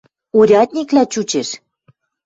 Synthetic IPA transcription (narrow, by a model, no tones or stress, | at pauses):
uɾʲɑt̪̚ʲnʲiklæt͡ɕut͡ɕeʃ